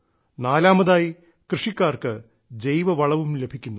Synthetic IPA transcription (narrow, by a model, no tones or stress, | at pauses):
naːlaːmɐðaːji | krɨʂikʲːaːrkɨ | d͡ʑejʋɐʋɐɭɐʋumle̞bʱikʲːunːu